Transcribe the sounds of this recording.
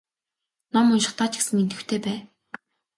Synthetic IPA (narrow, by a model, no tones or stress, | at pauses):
nɔmʊnʃɪ̆χt̪aːt͡ɕĭ̥ksɘ̆ŋent̪ɘ̆wt̪ʰeːpæː